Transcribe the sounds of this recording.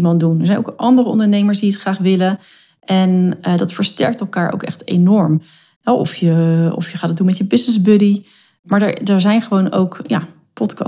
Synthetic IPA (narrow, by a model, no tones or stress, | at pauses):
mɑndunə̰ɹzɛjno̰ʊwkʔɑndərəɔ̰ndəɹnejməɹsdiətχraːχʋɪlə | ʔɛnədɑtfəɹstɛ̰ɹk̚tɛlˠkaːɹʔo̰wkɛ̰χtḛjnɔɹm | ɛʔɔ̰fjəɔ̰fjəχaːdɑdunmɛtjəbɪsnɪzbødi | maːɹdəɹdɛɹzɛjnχəʋowno̰wkja̰ː | pɔtkɑ̰